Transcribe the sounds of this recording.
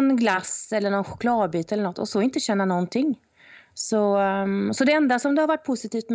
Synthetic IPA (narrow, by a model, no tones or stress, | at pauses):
nɡlasɛlːəɳɔnɧʊ̥kʰlɑːd̪̚byːt̪ɛlːəɳɔt̪ʰːɔ̰sɔɪnt̪əɕɛnːanɔnt̪ʰɪŋː | sɔsɔd̪ɛɛnd̪asɔmd̪ɵhaɾvaʈːpʰʊsɪt̪ʰiːft̪m